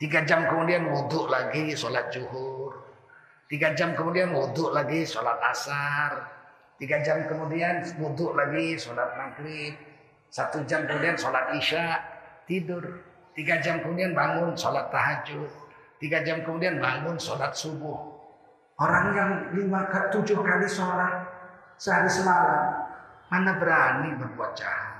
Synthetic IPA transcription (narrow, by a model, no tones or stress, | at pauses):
t̪iɡad͡ʒamkəmudianwudʊʔlaɡisolat̪̚d͡ʒuɦʊr | t̪iɡad͡ʒamkəmudianwudʊʔlaɡisolat̪̚asar | t̪iɡad͡ʒamkəmudianwudʊʔlaɡisolat̪̚maɡɾɪp̚ | sat̪ud͡ʒamkəmudiansolat̪̚iʃaʔt̪idʊr | t̪iɡad͡ʒamkəmudianbaŋʊnsolat̪ːaɦad͡ʒʊʔ | t̪iɡad͡ʒamkəmudianbaŋʊnsolat̪̚subʊh | oɾaŋjaŋlimakat̪ud͡ʒʊhkalisolat̪̚ | səɦaɾisəmalammanabəɾanibərbuat̪̚d͡ʒa̰ha